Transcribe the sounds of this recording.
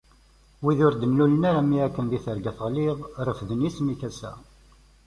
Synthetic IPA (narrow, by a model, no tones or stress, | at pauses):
wiðʊɾd̪ənlulənaɾamiækːənðiθəɾɡæθʁliðˤɾˤəfðənismikæsæ̰